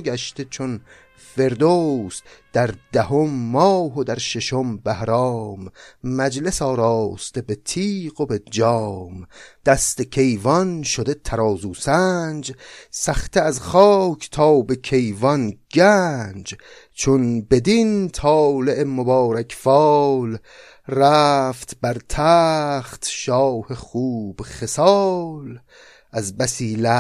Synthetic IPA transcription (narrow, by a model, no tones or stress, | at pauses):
ɡæʃt̪et͡ʃʰon | fe̞ɾd̪oːsd̪̥æɾd̪æɦomːɒːɦod̪æɾʃeʃombæhɾɒːmːæd͡ʒle̞sɒːɾɒːst̪ebe̞t̪ʰiːɣobed͡ʒɒːmd̪̥æst̪e̞kʰe̞jvɒnʃod̪e̞t̪ʰæɾɒːzuːsænd͡ʒsæxt̪ʰeæzχɒːkʰt̪ʰɒːbe̞kʲʰe̞jvɒnɡænd͡ʒ | t͡ʃʰonbe̞d̪int̪ʰɒːleʔemobɒːɾækʰfɒːl | ræːft̪bæɾt̪ʰæχt̪ʃɒːheχuːb̥χe̞sɒl | æzbæsiːlæ